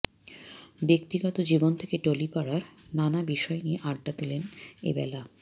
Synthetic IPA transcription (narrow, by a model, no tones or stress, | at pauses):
bekt̪iɡɔt̪od͡ʑibont̪ʰe̥keʈolipaɽaɾnanabiʃɔenieʔaɖːad̪ilenḛbɛla